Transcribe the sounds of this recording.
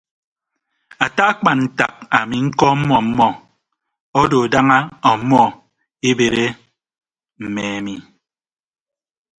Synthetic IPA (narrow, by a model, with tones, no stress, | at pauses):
a˨ta˦a˦k͡pa˨nn̩˨ta̰˨k̚a˨mi˨ŋ̩˦kɔ˦m̩˦mɔ˦m̩˦mɔ˦ | ɔ˦do˨da˦ŋa˦ɔ˨˦mɔ˦ | e˦be˨ɾe˦ | m̩˨mɛ˨a˨mi˨